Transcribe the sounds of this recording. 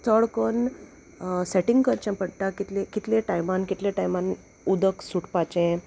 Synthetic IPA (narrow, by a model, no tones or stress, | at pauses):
t̪əɭkon | sɛʈiŋɡkəɾt͡ɕãpəɽʈakit̪lekit̪lẽʈajmankit̪lẽʈajmãn | ud̪əksuʈpat͡ɕẽ